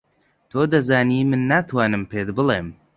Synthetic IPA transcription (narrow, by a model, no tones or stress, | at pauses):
t̪ʰoːd̪ɐzaːniːmɨnːaːt̪ʰwaːnɨmpʰeːd̪bɨlˠeːm